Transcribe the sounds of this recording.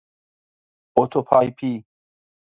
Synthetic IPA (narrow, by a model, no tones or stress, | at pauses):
oːt̪ʰoːpʰaːipʰiː